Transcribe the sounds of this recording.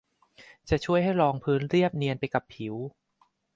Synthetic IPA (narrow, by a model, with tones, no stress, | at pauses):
t͡ɕa˨˩t͡ɕʰu˥˩əjɦa˥˩jɾɔː˧ŋpʰɯː˦˥nɾi˥˩əp̚ni˧ənpa˧jka˨˩pʰːi˨˩˦w